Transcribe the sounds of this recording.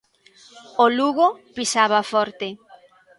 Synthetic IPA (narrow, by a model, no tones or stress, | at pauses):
oluɣopisaβafɔɾt̪e